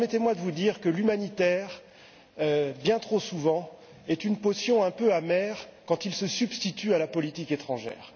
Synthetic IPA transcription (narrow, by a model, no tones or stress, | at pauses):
pɛɛʁmɛt̪emwad̪əvud̪iːʁkəlymanit̪ɛʁ | øbjɛ̃t̪χosuvɑ̃ | ɛt̪ynposjɔ̃ɛ̃pøamɛːʁkɑ̃t̪ilsəsybst̪it̪yalapɔlit̪iket̪χɑ̃ʒɛ̰ːʁ